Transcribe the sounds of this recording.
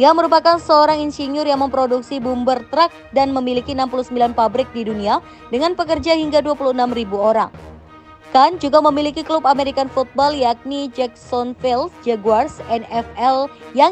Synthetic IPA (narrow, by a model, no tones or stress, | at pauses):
iaməɾupakansəoɾaŋinsiniʊrjaŋməmpɾoduksibumbərt̪ɾak̚danməmilikiənampuluhsəmbilanpabɾɪk̚didunia | dəŋanpəkərd͡ʒahiŋɡaduapuluənamribuoɾa̰ŋ | kand͡ʒuɡaməmilikiklupameɾikanfut̪̚bɔljak̚nid͡ʒɛk̚sɔnfilsd͡ʒɛɡuarsɛnɛfɛlja